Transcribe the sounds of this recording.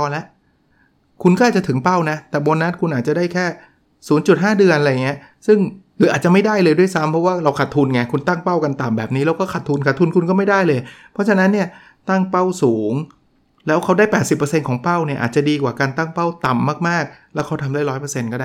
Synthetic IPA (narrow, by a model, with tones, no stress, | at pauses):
ɔː˧nlɛ˦˥ʔ | kʰu˧nkɔ˥˩ʔa˨˩t͡ɕa˨t̪ʰɯ˩˦ŋpa˥˩wna˦˥t̪ɛː˨˩bo˧nːa˦˥t̪̚kʰu˧nʔaː˨˩t͡ɕa˨˩daː˥˩jkʰɛː˥˩ | suː˩˦nt͡ɕu˨˩t̪̚ɦaː˥˩dɯ˧ənʔa˧ljŋːi˦˥ɐ | sɯ˥˩ŋkʰɯː˩˦aː˨˩t̪̚t͡ɕa˨˩ma˥˩jda˥˩jlɤː˧jdu˥˩˨jsa˦˥mpʰɾɔ˦˥waː˥˩ɾa˧wkʰa˨˩t̪ʰːu˧nŋa˧˩kʰu˧nt̪a˥˩ŋpa˥˩wka˧nt̪a˨˩mbɛː˨˩p̚niː˦˥lɛː˦˥wkɔː˥˩kʰa˨˩t̪ʰːu˧nkʰa˨˩t̪ʰːu˧nkʰu˧nkɔː˥˩ma˥˩jda˥˩jlɤː˧jpʰɾɔ˦˥t͡ɕʰa˧na˦˥nːi˥˩ɐ | t̪a˥˩ŋpa˥˩wsuː˩˦ŋ | lɛː˦˥wkʰa˦˥wda˥˩jpɛː˨˩t̪̚si˨˩pːɤ˧se˧nkʰɔː˩˦ŋpa˥˩wni˥˩ɐʔa̰ː˨˩t͡ɕa˨˩diː˧kwaː˨˩kaː˧nt̪a˥˩ŋpa˥˩wt̪a˨˩mːaː˥˩k̚maː˥˩k̚lɛː˦˥wkʰa˦˥wt̪ʰa˧mdaː˥˩jɾɔː˦˥jpəː˧se˧nkɔː˥˩aː˥˩